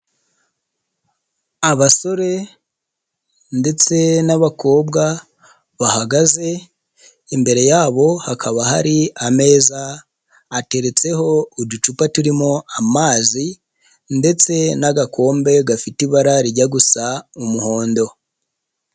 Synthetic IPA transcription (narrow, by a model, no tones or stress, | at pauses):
aβaso̞ɾe̞ | nde̞t͡se̞naβakʰo̞ːbɡa | βahaɡaze̞ | imbe̞ɾe̞jaːβo̞hakʰaβaha̰ɾiame̞ːzaː | te̞ɾe̞t͡se̞ɦo̞udut͡ʃupatuɾimo̞amaːzi | nde̞t͡se̞naɡakʰo̞ːmbe̞ɡafitiβaɾaɾiɟaɡusaumuho̞ːndo̞